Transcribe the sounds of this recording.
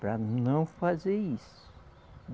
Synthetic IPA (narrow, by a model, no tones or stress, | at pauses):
pɾɐnɐ̃w̃fazeɾis | ʊ̥